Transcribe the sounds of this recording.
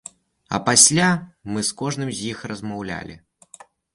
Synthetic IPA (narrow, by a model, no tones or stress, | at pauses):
ɐ̰pasʲlʲamɨskɔʐnɨmzʲjixrɐzmawlʲa̰lʲḭ